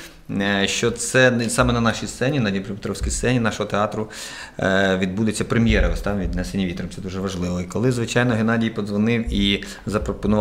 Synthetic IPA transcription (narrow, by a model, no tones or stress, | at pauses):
ʃt͡ʃɔt̪sɛsɑmɛnɐnɑʃijst̪ɛnʲinɑdʲijpɾɪpet̪ɾɔwsʲkʲijssɛnʲinɑʃɔɦɔt̪eɑt̪ɾʊ | ʋʲid̪̚bud̪et͡sʲːɐpɾemʲjɛɾɐʋɔst̪ɑʋʲʋʲid̪nɛsenʲiʋʲit̪ɔɾɔmt̪ɛd̪uʒɛʋɐʒlˠɪʋɔikɔlˠɪzʋɪt͡ʃɑjnɔɦenɑdʲijpɔzʋɔnɪwi | zɐpɾɔpɔnʊʋ